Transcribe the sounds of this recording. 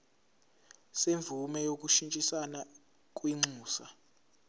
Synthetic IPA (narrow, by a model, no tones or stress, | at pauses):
seɱb̪vʱumɛjok̬ʼuʃint͡ʃʼisana | k̬ʼwiŋ͡ǀʱuːsa